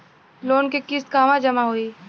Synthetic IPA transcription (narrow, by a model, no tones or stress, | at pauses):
loːnkekɪst̪̚kaːʋãd͡ʒɐmaɦoiː